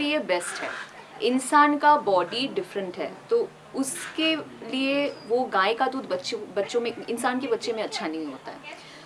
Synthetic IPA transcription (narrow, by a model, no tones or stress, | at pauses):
liebɛːsʈɦɛ̰ː | ɪnsaːnkabɔːɖiɖɪfɾə̃ɳʈɦɛ̰ːt̪o | ʊskelieʋoɡaːekad̪uːd̪ʱbɐtːʃebɐtːʃõmẽɪnsaːnkebɐtːʃemẽɐtːʃʰanɐɦĩɦoːt̪a̰ɦɛː